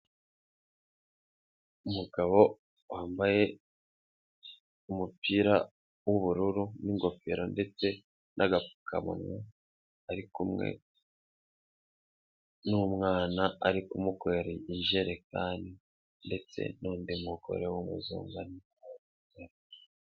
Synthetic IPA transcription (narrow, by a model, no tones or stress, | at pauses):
umuɡaβo̞ | waːmbaje̞ | umupiːɾa | woβuɾuɾuniŋɡo̞feɾonde̞t͡se̞ | nʔaɡafu̥ka̰mṵnwo | aɾikumŋe̞̰ | numŋaːnaaɾikumukweɾeinʒeɾe̞kaːndi | nde̞t͡se̞̰nuːndimuɡo̞̰ɾewumṵzṵːŋɡani | a | aɾ